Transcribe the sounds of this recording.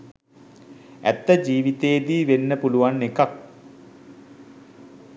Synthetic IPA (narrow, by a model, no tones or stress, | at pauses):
æ̰t̪ːəd͡ʑiːʋit̪eːd̪iːʋenːəpuluʋanːekak̚